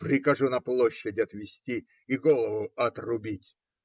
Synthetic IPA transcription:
pɾʲɪkɐʐunɐplˠoɕːədʲɐt̪vʲɪsʲtʲi | ɪɡolˠəvʊɐt̪rʊbʲitʲ

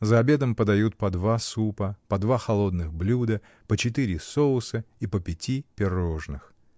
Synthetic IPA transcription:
zəɐbʲe̞d̪əmpəd̪ɐjut̪̚pɐd̪vasupəpɐd̪vaxɐlˠo̞d̪nɨɣblʲud̪ə | pət͡ɕɪt̪ɨɾʲɪsoʊsəipəpʲɪtʲipʲɪro̞ʐnɨx

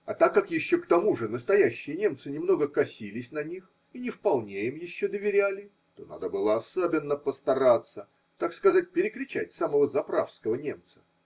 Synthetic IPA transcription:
ɐt̪akːakjɪɕːokt̪ɐmuʐɨnəst̪ɐjæɕːɪjənʲe̞mt̪sɨnʲɪmno̞ɡəkɐsʲilʲɪsʲnɐnʲix | inʲɪfpɐlˠnʲeimjɪɕːod̪əvʲɪɾʲælʲɪ | t̪o̞na̰d̪əbɨlˠəɐsobʲɪnːəpəst̪ɐɾat̪sə | t̪akskɐzat̚ʲpʲɪɾʲɪkɾʲɪt͡ɕætʲsaməvəzɐpɾafskəvənʲe̞mt̪sə̥

